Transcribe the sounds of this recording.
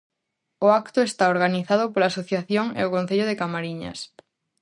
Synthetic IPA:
oakt̪ʊest̪aoɾɣaniθað̞opolaːsoθjaθjoŋḛokõnθeʎoð̞ekamaɾiɲɐ̰s

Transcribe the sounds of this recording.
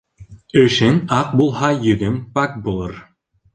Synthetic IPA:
ɵ̆ʃɘŋɑq̚bulˠɦɑjɵ̆ðɵŋpɑk̚bulˠɤɾ

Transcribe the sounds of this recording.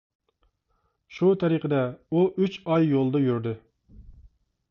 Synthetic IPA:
ʃut̪ʰɛɾiqʰəd̪ɛuʔyt͡ʃɑjːolˠd̪ɑjyɾd̪ɨ

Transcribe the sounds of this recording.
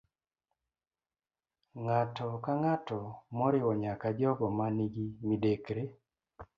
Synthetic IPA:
ŋatɔkaŋatɔmɔɾɪwɔɲakad͡ʒɔɡɔmaniɡimidekɾe

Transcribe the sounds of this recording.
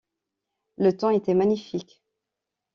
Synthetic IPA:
lət̪ɑ̃et̪ɛmaɲifikʲ

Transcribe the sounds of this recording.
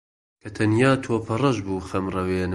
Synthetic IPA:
kʰɐt̪ʰɐnjaːt̪ʰoːpʰɐrɐʒbuːxɐmrɐweːn

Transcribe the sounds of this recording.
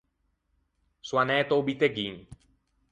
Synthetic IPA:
swanɛt̪obit̪eɡin

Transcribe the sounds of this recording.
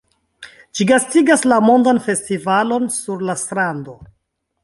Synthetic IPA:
ʃiɡastiɡaslamo̞ndanfe̞stivalo̞nsuɾlastɾando̞

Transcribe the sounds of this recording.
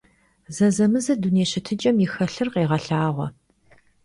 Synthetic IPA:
zɐzɐmɨzɐduneːɕɪtʰɨd͡ʒʼɐmjixɐɬɨrqeːʁɐɬaːʁʷɔ̰

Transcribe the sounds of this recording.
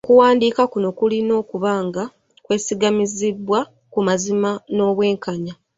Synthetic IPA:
kuwaːndiːkakuno̞kulino̞ːkuβaːŋɡa | kwe̞ːsiɡamizibwa | kumazimano̞ːβwe̞ːŋkaɲa

